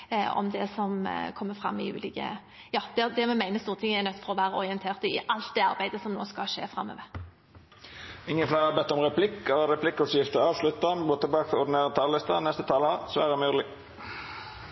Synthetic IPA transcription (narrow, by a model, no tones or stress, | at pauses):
ɔ̰md̪ɛsɔmkʰɔmːəfɾɑ̰mːɪʉ̰ːlɪkə̰ | jɑːd̪̥ɛd̪ɛmɛmæɪnəst̪uːʁət̪ʰɪŋːəɛɾnœt̪ːfɔɾɔʋæːɾəɔɾɪənt̪ʰeːʁt̪əɪʔɑlt̪̚d̪ɛɑɾbæɪd̪əsɔmno̰ːskɑʂḛːfɾʁɑmːø̰ːʋə | ɪŋːənflæːɑbɛt̪ːɔmʁɛpʰlɪkːɑləɾɛpʰlɪkːɔsjɪft̪əɑːʋslʉt̪ːɑnboːt̪ʰɪlbɑːkət̪ɔd̪ɪneːɾət̪ʰɑːllɪst̪ɑ̰nɛst̪ət̪ʰɑːlɑsʋæːɾəmyːd̪əlɪ